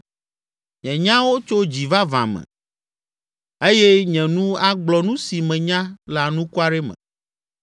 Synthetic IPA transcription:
ɲɛ̃˨ɲã˦wo˦t͡ʃo˦d͡ʑi˨va˦vã̰˨mɛ̰̃˨ | e˦jɛ˦ɲɛ̃˨nũ˦a˦ɡ͡blɔ˨nũ˦si˨mɛ̃˨ɲã˦la˨nũ˦ku˦a˦ɖe˦mɛ̰̃˨

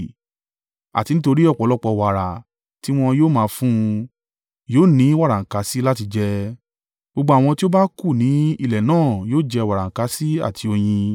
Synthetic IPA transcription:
a̰˨ti˧nĩ˦to˧ɾi˦ɔ˦˨k͡pɔ˨˦lɔ˦k͡pɔ˧wa˨ɾa˨ | ti˦w̃ɔ̃˧joː˦mãː˧fũ˦˧ | joː˦˨nĩ˨˦wa˦˨ɾa˨ŋ̩˨ka˨˦si˦la˦ti˧d͡ʒɛ˧ | ɡ͡bo˧ɡ͡ba˧a˦˨w̃ɔ̃˧ti˦o˦ba˦ku˦˨nĩ˨˦i˦˨lɛ˨nãː˦˨joː˦d͡ʒɛ˧wa˨ɾa˨ŋ̩˨ka˧˦si˦a̰˦˨tʰi˧˦o˧j̃ĩ˧

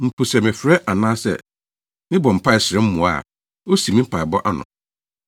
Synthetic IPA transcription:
m̩˨pʰu˨sɛ˨mɪ̃˨fɾɛ˦ʔa˨nãː˦sɛ̰˨ | nɪ̃˦bɔ˨m̩˨pʰa˦ɪ˨sɪ˨ɾɛ˦m̩˦mũ˨a̰˦˨ | o˦si˨mĩ˦m̩˦pʰa˨ɪ˨bɔ˦ʔa˦nʊ̰̃˨

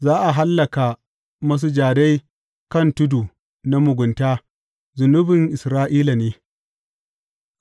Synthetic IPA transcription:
zaː˦ʔa˨ɦa˦lːɐ˨ka˨ | mɐ˦s̬u˦d͡ʒaː˨da˦j | kɐ˦˨ntʊ˦du˨ | na˦mʊ˨ɡʷʊ˨ntaː˦ | zʊ˨nʊ˦bɪ˨ŋʔɪ˨sɾaː˦ʔiː˦la˨neː˦

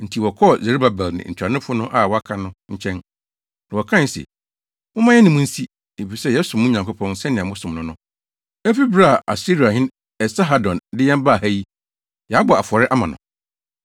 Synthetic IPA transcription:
n̩˨tʰi˨wɔ˨kʰɔ˦˨ze˨ɾi˦ba˨bɛ˨lnɪ̰̃˨ɲ̩˨t͡ɕʰᶣa˨nɪ̃˦fʊ˦nʊ̃˦ʔa˦˨wɔ˦a˦kʰã˦nʊ̃˦ɲ̩˦t͡ɕʰɛ̃˦n | nã˨wɔ˨kʰã˦˨n̩˦sɛ̰˨ | wʊ˦mã˦jɛ˦nɪ̃˨mʊ̃˦n̩˦si˦ | e˨fi˨sɛ˦jɛ˦sʊ̃˨mʊ̃˦ɲã˨ŋkʰʊ˦pʰɔ̃˦n˨sɛ˦nɪ̃˨ã˨mʊ̃˦sʊ̃˨mnʊ̃˦nʊ̃˦ | ɛ˦fi˦bɾa˦˨ʔa̰˨si˦ɾi˨a˨hɪ̃˦n | ɛ˨sa˦ɦa˦dɔ̃˨ndɪ˦jɛ̃˦m˦ba˦˨hæ˦ji˦ | jɛ˨a˦bɔ˨a˨fʊ˨ɔ˨ɾɪ˦ʔa˦mã˨nʊ̰̃˨

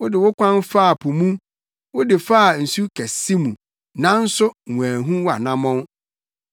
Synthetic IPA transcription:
wʊ˦dɪ˨wʊ˦kʷã˦nfa˦˨pʰʊ˨mũ˦ | wʊ˦dɪ˨fa˦a˨n̩˨su˦kʰɛ˨si˦mũ˨ | nã˦n̩˦sʊ˦˨ũ˨æ˨ɦũ˦wa̰˨nã˦mɔ̃˦n

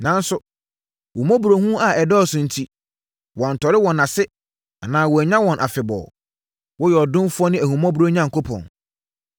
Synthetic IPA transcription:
nã˨˦n̩˦sʊ˨ | hu˨mɔ̃˦bu˨ɾo˨hũ˦a˨ɛ˨dɔː˦˨sʊ̃˨n̩˨tʰi˦ | wɔ̃˨n̩˨tʰɔ˨ɾɪ˦wɔ̃˨nã˨sɪ˦ | a˨nãː˨wɔ˨æ˨ɲã˦wɔ̃˨nʔa˨fɪ˨bɔ̰˨ | wɔ˦jɛ˨ɔ˨dʊ̃˦mfu˦ɔ˦nɪ̃˦æ˨hũ˨mɔ̃˦bu˨ɾo˦ɲã˦ŋ̩˨kʰo˦pʰɔ̰̃˨n

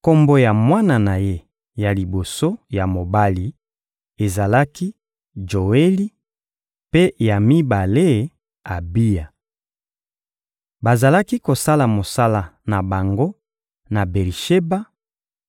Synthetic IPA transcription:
ko˦mbo˦ja˨mwa˦na˨na˨je˦ | ja˨li˨bo˨so˦ja˨mo˨ba˦li˨ | e˨za˨la˦ki˦ | d͡ʒo˨e˦li˦ | pe˦ja˨mi˦ba˨le˦ | a˨bi˦ja˨ | ba˨za˨la˦ki˦ko˨sa˦la˨mo˨sa˦la˨na˨ba˨ŋɡo˦ | na˨be˨ʁi˨ʃe˦ba˦

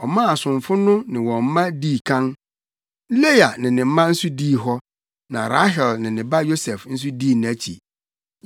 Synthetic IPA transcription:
ɔ˨mã˦a˨sʊ̃˨ɱfʊ˦nʊ̃˦nɪ̃˨wɔ̃˨m̩˦mã˦diː˦˨kʰã˦n˦ | le˦ja˨nɪ̃˨nɪ̃˨m̩˦mã˦n̩˦su˦diː˦˨ɦɔ˦ | nã̰˨ɾa̰˦ɦɛ˨lnɪ̃˨nɪ̃˨ba˦jo˦sɛ˨fn̩˦s̬u˦diː˦˨nʊ̃˨æ˦t͡ɕʰḭ˨

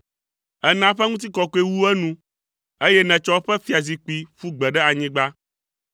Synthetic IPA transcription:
ɛ˦nã˨˦ɸɛ˦ŋũ˦t̪̬i˦kɔ˨kɔ˦e˦wu˦ɛ˦nũ˦ | e˦jɛ˦nɛ̃˨t͡ʃɔ˦ɸɛ˦fi˦a˨zi˨k͡pi˦ɸu˦ɡ͡bɛ˨ɖɛ˦a˨ɲĩ˦ɡ͡ba˦

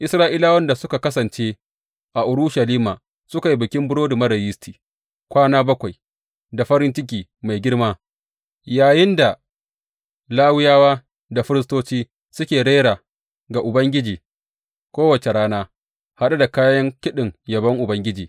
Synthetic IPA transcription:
ʔɪ˨sɾaː˦ʔiː˦laː˦wɐ˦nda˨sʊ˦ka˨kɐ˦sɐ˨nt͡ʃeː˦ | ʔa˨ʔʊ˨ɾʊ˦ʃɐ˨liː˦maː˨ | sʊ˦ka˨ji˦bɪ˨kʲɪ˦mbʊ˦ɽoː˦du˨mɐ˦dɐ˨jɪ˦stiː˨ | kʷaː˦naː˦bɐ˦kʷa˨j | da˨ɸɐ˦ɾɪ˦nt͡ʃɪ˦k̬ʲiː˨ma˨jɡʲɪ˦ɽmaː˦ | jaː˨jɪ˦nda˨ | laː˦wɪ˦jaː˦waː˦ | da˨ɸɪ˦ɾɪ˦s̬toː˦t͡ʃiː˦ | sʊ˦kʲeː˨ɽe˦ɽaː˨ | ɡa˨ʔʊ˨bɐ˦ŋɡʲɪ˦d͡ʒiː˨ | kʷoː˦wɐ˨t͡ʃe˨ɽaː˦naː˦ | ha˦ɗa˦da˨kaː˦jɐ˦ŋkʲɪ˦ɗɪ˨ŋjɐ˨bɐ˦ŋʔʊ˨bɐ˦ŋɡʲɪ˦d͡ʒiː˨

